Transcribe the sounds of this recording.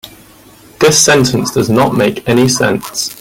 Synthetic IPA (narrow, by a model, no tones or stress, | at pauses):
ðɪsɛ̃ntʰə̃nsd̥əznəʔmeɪkʰɛnisɛ̰̃ns